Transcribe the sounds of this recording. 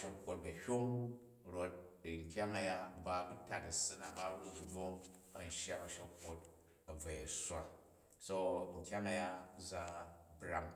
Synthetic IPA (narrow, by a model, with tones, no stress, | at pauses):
ʃo˨kʷːo˨t̚bɐ˨hʲo˦ŋ | ɾo˦t̚ŋ˨kʲa˦ŋɐ˦ja˦ba˦i˦ta˨tɐ˨sɨ˦na˨ba˦ɾu˦dwo˦ | ɐ˨n̩˦ʃja˦ɐ˨ʃo˨kʷːo˦t̚ | ɐ˨b͡va˨ja˨sʷa˨ | so˦ŋ̩˨kʲa˦ŋɐ˦ja˦za˦bɾa̰˨ŋ